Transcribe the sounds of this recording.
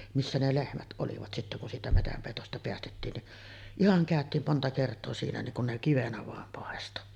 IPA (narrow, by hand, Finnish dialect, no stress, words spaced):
misːæ ne lehmæt ʔoliʋɑt sitːæ kun siːtæ metæmpeˑitostɑ peæstetːiːn niʔ ihɑŋ kæˑøtˑiːm montɑ kertˑoː siːnæ niŋ kun ne kiʋenæ ʋɑˑem pɑˑesto